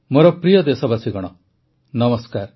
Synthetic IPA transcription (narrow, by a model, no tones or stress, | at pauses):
moɾɔpɾijɔd̪esɔbasʰiɡɔɽ̃ɔ | nɐməskaːɾ